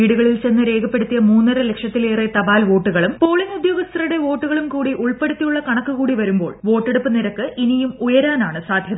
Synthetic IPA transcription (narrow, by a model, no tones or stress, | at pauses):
iːɽuɣɐɭilt͡ɕe̞nːɨɾe̞ːɡʰʱɐpːeɽut̪ːijɐmuːnːɐrelekʂjɐt̪ːileːret̪ɐbaːlʋo̞ːʈːuɣɐɭumpo̞ːɭinud̪joːɡɐst̪ɐruɽe̞ʋo̞ːʈːuɣɐɭumkuːɽiʔuɭpeɽut̪ːijuɭːɐkɐɳɐkːukuːɽiʋɐɾumbo̞ːɭʋo̞ːʈːeɽupːɨniɾɐkːɨʔinijumujɐɾaːnaːɳɨsaːd̪ʱjɐðɐ